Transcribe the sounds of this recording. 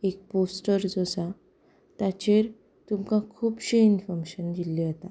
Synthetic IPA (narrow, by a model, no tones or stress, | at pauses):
ek̚posʈəɾd͡zɔsa | t̪jat͡ɕeɾ | t̪umkãkʰuːbɕiinfɔɾmeɕənd̪iliɦət̪a